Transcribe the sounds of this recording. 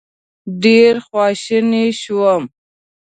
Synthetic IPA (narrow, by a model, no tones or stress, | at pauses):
ɖeɾxwɑʃəneʃuwəm